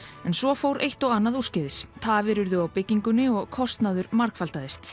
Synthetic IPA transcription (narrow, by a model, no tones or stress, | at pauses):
ɛnsvɔfowɾʔejht̪ɔɣanːaðuscɪðɪst̪ʰaːvɛɾʏɾðʏawpɪcːiŋkʏnːɪɔɣkʰɔst̪naðʏɾmaɾkfalt̪aðɪst̪